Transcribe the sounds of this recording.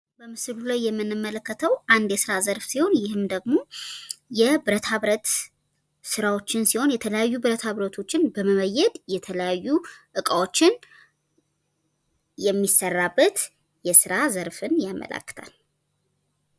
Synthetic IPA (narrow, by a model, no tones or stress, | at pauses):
bəmɨslulajːɛmːɨnːɨmːələkːət̪ʰəwʔand̪jɛsɨɾazəɾfsiho̞njɪhɨmd̪əɡmo̞jɛbɨɾət̪ʰaβɾət̪ | sɨɾawo̞t͡ʃːɪnsiho̞njɛt̪ʰələjajːubɨɾət̪ʰhaβɾət̪ʰo̞t͡ʃːɪnbəməməjːɛd̪jɛt̪ʰələjajːuʔɨkʼawo̞t͡ʃːɪn | jɛmːisːərːabːət̪ | jɛsɨɾazəɾfɨnjamːə̰lə̰kːɨ̥t̪ʰa̰l